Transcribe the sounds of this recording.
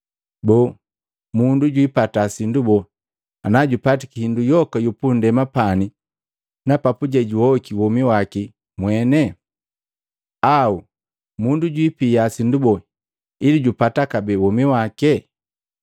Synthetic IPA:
bɔ | munduɟwipatasindubɔ | anaɟupatikihindujɔkajupundɛmapani | napapuɟɛɟuɔkiwɔmiwaki | mwɛnɛ | au | munduɟwipijasindubɔ | iliɟupatakabɛwɔmiwakɛ

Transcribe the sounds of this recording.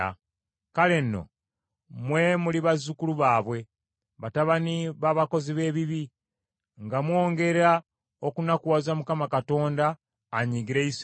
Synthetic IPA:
a | kale̞nːo̞̰ | mwe̞muliβazukuluβaːβwe̞ | βataβaniβaːβako̞ziβe̞ːβiβi | ŋɡamwo̞ːŋɡe̞ɾa | okunakuwazamukamakato̞ːndaː | ɲiɡiɾeis

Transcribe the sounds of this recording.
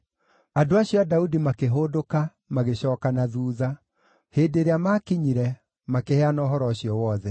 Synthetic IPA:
adoaɕiɔadaudimakeɦoːdoka | maɣeɕɔːkanaðuːða | heːdeɾeamakiɲiɾɛ | makehɛanɔːɦɔɾɔɕijɔwɔðɛ

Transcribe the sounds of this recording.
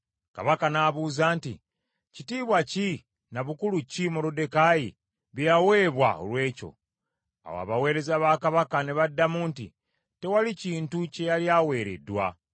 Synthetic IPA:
ka̰βakanaβuːzaːntḭ | citiːβwaci | naβukulucimoɾode̞kajḭ | βjawe̞ːβwa̰o̰lwe̞ːco̞̰ | a̰wo̰a̰βawe̞ːɾe̞zaβakaβakane̞βadːamuntḭ | te̞waliciːntuce̞jaljawe̞ːɾe̞̰dwa̰

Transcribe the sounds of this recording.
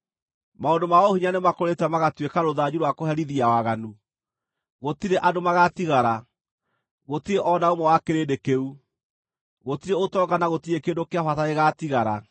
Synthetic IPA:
maondomaohiɲanemakoɾetɛmaɣatwekaɾoðaɲuɾwakoɦɛɾiðiawaɣanu | ɣotiɾeʔadomaɣatiɣaɾa | ɣotiɾeʔɔnaomɛwakeɾeːdekeu | ɣotiɾeotɔɡanaɣotiɾekeːdokeafataeɣatiɣaɾa

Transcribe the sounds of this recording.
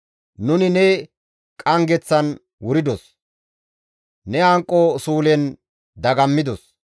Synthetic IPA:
nʊnɪnɛ | kʼɐŋɡɛt͡sːɐn | wʊɾɪd̪ɔs | nɛɐŋkʼːosuːlɛn | d̪ɐɡɐmːɪd̪ɔs

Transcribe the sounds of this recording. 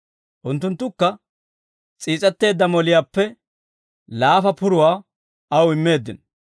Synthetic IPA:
ʔʊnt̪ːʊnt̪ːʊkːɐ | t͡sʼiːt͡sʼɛt̪ːe̞ːd̪ːɐmɔlɪjaːpːɛ | laːfɐpʊɾʊwaː | ɐwɪmːe̞ːd̪ːɪ̰n

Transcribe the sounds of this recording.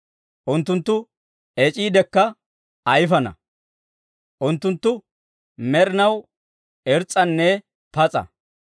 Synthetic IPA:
ʔʊnt̪ːʊnt̪ːʊ | ɛt͡ʃʼiːd̪ɛkːɐ | ɐjfɐnɐ̰ | ʔʊnt̪ːʊnt̪ːʊ | mɛɾɪnɐw | ɛɾt͡sʼːɐnːɛ | pɐt͡sʼɐ̰

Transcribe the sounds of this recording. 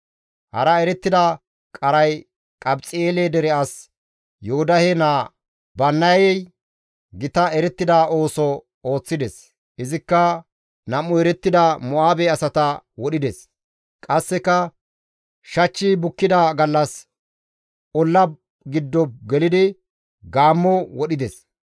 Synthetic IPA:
hɐ̰ɾɐɛɾɛt̪ːɪd̪ɐ | kʼɐɾɐj | kʼɐbt͡sʼɪeːled̪ɛɾɛɐs | jɔhʊd̪ɐhɛnaː | bɐnːɐjɛj | ɡɪt̪ɐɛɾɛt̪ːɪd̪aʔo̞ːsɔ | o̞ːt͡sːɪd̪ɛs | ɪzɪkːɐ | nɐmʊɛɾɛt̪ːɪd̪ɐmʊaːbɛɐsɐt̪ɐwɔɗɪd̪ɛs | kʼɐsːɛkːɐ | ʃɐt͡ʃːiːbʊkːɪd̪ɐɡɐlːɐs | ʔɔlːɐb | ɡɪd̪ːɔb̚ɡɛlɪd̪ɪ | ɡaːmːɔwɔɗɪd̪ɛs

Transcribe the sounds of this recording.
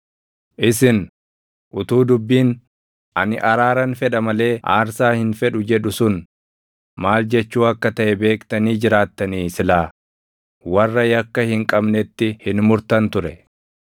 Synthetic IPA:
ʔɪsɪn | ʔʊt̪uːd̪ʊbːiːn | ʔɐnɪʔɐɾaːɾɐnfɛᶑɐmɐle̞ːʔaːɾsaːhɪnfɛᶑʊd͡ʒɛᶑʊsʊn | maːld͡ʒɛt͡ʃːuːɐkːɐt̪ɐʔɛbe̞ːkt̪ɐniːd͡ʒɪɾaːt̪ːɐniːsɪlaː | wɐrːɐjɐkːɐhɪŋkʼɐbnɛt̪ːɪhɪnmʊɾt̪ɐnt̪ʊɾɛ

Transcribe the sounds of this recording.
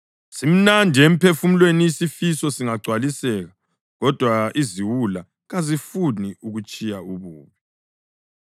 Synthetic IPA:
sim̩nandʱiem̩pʰefum̩lwenijisifisɔsiŋaɡ͡ǀʱwalisɛɣa | ɣɔd̥ʱwaiziwula | ɣazifuniuɣut͡ʃʼijauβuːβi

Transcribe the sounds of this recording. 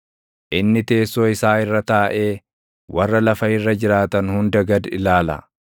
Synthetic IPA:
ʔɪnːɪt̪e̞ːsːo̞ːɪsaːɪrːɐt̪aːʔe̞ː | wʔɐrːɐlɐfɐɪrːɐd͡ʒɪɾaːt̪ɐnhʊnd̪ɐɡɐd̪ɪlaːlɐ̰

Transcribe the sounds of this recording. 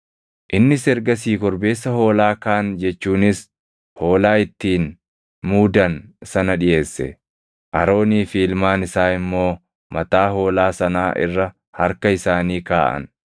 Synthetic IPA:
ʔɪnːɪsɛɾɡɐs̬iːkɔɾbe̞ːsːɐho̞ːlaːkaːnd͡ʒɛt͡ʃːuːnɪs | ho̞ːlaːɪt̪ːiːn | muːd̪ɐnsɐnɐᶑɪje̞ːsːɛ̰ | ʔɐɾo̞ːniːfiːlmaːnɪsaːɪmːo̞ː | mɐt̪aːho̞ːlaːsɐnaːʔɪ̰rːɐ | hɐɾkɐɪsaːniːkaːʔɐ̰n

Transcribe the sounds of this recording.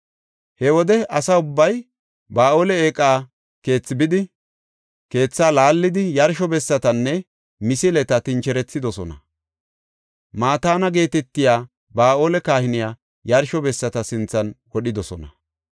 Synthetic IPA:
hɛwɔd̪ɛʔɐsɐʊbːɐj | baːo̞ːlɛeːkʼːaː | ke̞ːt͡sːɪbɪd̪ɪ | ke̞ːt͡sːaːlaːlːɪd̪ɪjɐɾʃɔbɛsːɐt̪ɐnːɛ | mɪsɪlɛt̪ɐt̪ɪnt͡ʃɛɾɛt͡sːɪd̪ɔsɔnɐ̰ | maːt̪aːnɐɡe̞ːt̪ɛt̪ːɪjaː | baːʔo̞ːlɛkaːhɪnɪjaː | jɐɾʃɔbɛsːɐt̪ɐsɪnt͡sːɐnwɔɗɪd̪ɔsɔnɐ

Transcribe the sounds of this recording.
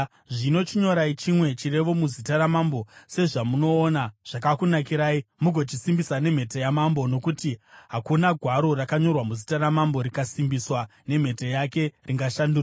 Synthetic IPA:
ʐino̞t͡ʃiɲo̞ɾait͡ʃimwe̞t͡ʃire̞ʋo̞muzitaɾamambo̞se̞ʐamuno̞ːnaʐ̥akakunakiɾaːimuɡʱo̞t͡ʃisimbisane̞m̤e̞tejamambo̞no̞kutiɦakunaɡʱwaɾo̞rakaɲo̞rwamuzitaɾamambo̞ɾikasimbiswane̞m̤e̞tejake̞rʔiŋɡaʃandura

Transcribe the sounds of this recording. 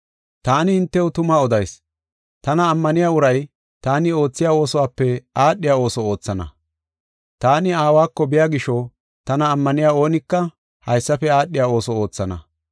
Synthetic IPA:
t̪aːnɪhɪnt̪ːɛwʊt̪ʊmɐɔd̪ɐjs | t̪ɐnɐːmːɐnɪjaːʊɾɐj | t̪aːnɪo̞ːt͡sːɪjaːo̞ːsɔwaːpːɛaːɗːɪjaːo̞ːsɔo̞ːt͡sːɐnɐ̰ | t̪aːnɪaːwaːkːɔbɪjaːɡɪʃɔ | t̪ɐnɐːmːɐnɪjaːo̞ːnɪkːɐ | hɐjsːɐfɛaːɗːɪjaːo̞ːsɔo̞ːt͡sːɐnɐ̰

